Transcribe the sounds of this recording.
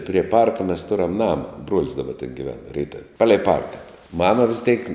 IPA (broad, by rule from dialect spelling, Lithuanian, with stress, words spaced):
pʲrʲiɛ ˈpɐrkɐ mʲɛs ˈtʊrɐm ˈnɑːmɐ ˈbruɔlʲɪs dɐˈbɐ tʲɛn ɡʲɪˈʋʲɛn ˈrʲɛɪtɐw ˈpɑːlʲɛɪ ˈpɐrkɐ ˈmɑːmɐ ʋʲɪs tʲeːk